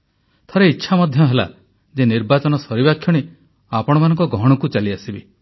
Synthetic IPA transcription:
t̪ʰɔɾeitːʃʰamɔd̪ʱjɔɦela̰ | d͡ʒeniɾbat͡ʃɔnɔsɔɾibakʰːjɔɽ̃e | apɔɽ̃ɔmanɔŋkɔɡɔɦɽ̃ɔkut͡ʃaliasibi

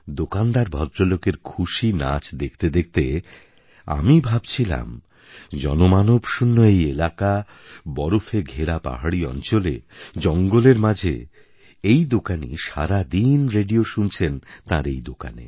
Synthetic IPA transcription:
d̪okand̪aɾbʱɔd̪ɾolokeɾkʰuʃina̰t͡ɕd̪ek̚ʰt̪ed̪ek̚t̪e | a̰mibʱab̚t͡ɕʰila̰m | d͡ʑɔnomanobʃunːoejelaka | bɔɾofʰeɡʱeɾapa̰ɦaɽiɔ̰nt͡ɕolḛd͡ʑɔŋɡoleɾmad͡ʑʱḛ | ejd̪okanḭʃaɾad̪inɾeɖioʃunt͡ɕʰent̪aɾejd̪oka̰nḛ

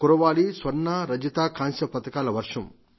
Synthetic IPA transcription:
kuɾɐʋaːlisʋɐnːaɾɐd͡ʒɐt̪aːkaːnsɐpɐt̪ɐkaːlɐʋɐɾʂɐm

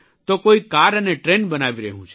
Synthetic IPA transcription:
t̪okoikaɾəneʈɾenbənaʋiɾəɦũt͡ʃʰ

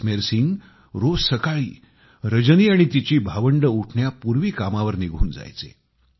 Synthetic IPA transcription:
meɾsiŋɡ | ɾosəkaɭḭː | ɾəd͡ʑəniːaɽ̃it̪it͡ɕiːbʱaʋəɳɖəuʈʰɳjapuɾʋiːkamaʋəɾniɡʱṵːnd͡za̰jt͡sḛ

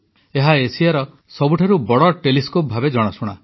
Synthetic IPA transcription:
eɦaesijaɾɔ | sɔbuʈʰaɾubɔɽɔʈeliskop̚bʱabed͡ʒɔɽ̃asuɽ̃a̰

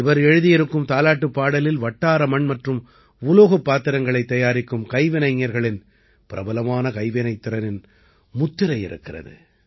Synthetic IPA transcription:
ɪʋɐɾɛɻɯðɪjɪɾɯkːɯmt̪aːlaːʈːɯpːaːɽɐlɪlʋɐʈːaːɾɐmɐɳmɐʈrɯm | ʊloːɣɐpːaːt̪ːɪɾɐŋɡɐɭɐɪt̪ːɐjaːɾɪkːɯmkɐɪʋɪnɐɪŋːɐɾɣɐɭɪn | pɪɾɐ̰bɐlɐmaːnɐkɐɪʋɪnɐɪt̪ːɪɾɐnɪn | mʊt̪ːɪɾɐɪjɪ̰ɾɯ̰kːɪrɐ̰ðɯ̰

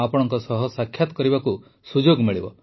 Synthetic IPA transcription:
apɔɽ̃ɔŋkɔsɔɦɔsakʰːjat̪ɔ̥kɔɾibaku | sud͡ʒoɡmiɭibɔ

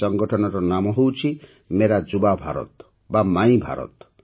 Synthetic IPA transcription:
ɔŋɡɔʈʰɔnɔɾɔnamɔɦowt͡ʃʰi | meɾad͡ʒubabʱaɾɔ̰t̪ | bamaĩbʱa̰ɾɔ̰t̪

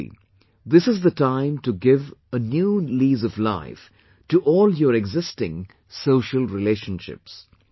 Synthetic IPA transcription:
d̪ɪsɨzðətãɪ̃mʈuɡɪvənjuːliːzɔvla̰ɪf | ʈuʔɔːljəɾɛɡzɪstɪ̰̃ŋ | soːʃəlˠɾɪleːʃə̃nʃɪ̰ps

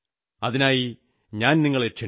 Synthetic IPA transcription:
ɐðinaːji | ɲaːnniŋːɐɭet͡ɕːɐ

